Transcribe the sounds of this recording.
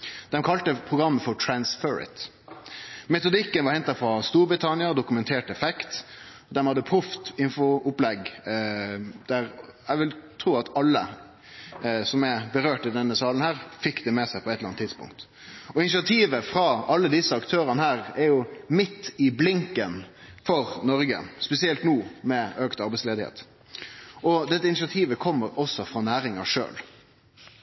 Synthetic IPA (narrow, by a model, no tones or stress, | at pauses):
d̪̥ɛmkʰɑlt̪əpʰɾʊɡɾɑmːəfɔʈ̪ʰɾɑnsfœɹɪ̰t̪ | mɛt̪ʊd̪ɪkːənʋɑɾhɛnt̪ɑfɾɑst̪uːɾbɾɪt̪ʰɑnɪɑd̪ʊkʉmɛnt̪ʰeːʈɛfɛkt̪ɔd̪ɛmhɑd̪ːəpʰɾʉft̪ɪnfʊʊplɛɡ | d̪æɾɛʋɪlt̪ʰɾuːɑt̪ɑlːə̰ | sɔmɛbəɾøːʈɪd̪ɛnːəsɑːlənhæːɾfɪkːd̪ɛmɛsæɪpʰɔɛt̪ləɑnt̪ʰːɪd̪spʊ̰ŋk̚t̪ | ɔɪnɪsɪɑt̪ʰiːʋəfɾɑɑlːəd̪ɪsːəɑkt̪ʰøːɾɑnəhæːʁɛɾjʊmɪt̪ːɪblɪŋkənfɔɾnɔɾɡə̰spɛsɪɛlt̪nuːmɛøːkt̪ɑɾbɛɪsleːd̪ɪhḛːt̪ | ʔɔd̪ɛt̪ːəɪnɪsɑt̪ʰiːʋəkʰɔmːəɾɔsːɔfʁɑnæːɾɪŋɑʂø̰ːl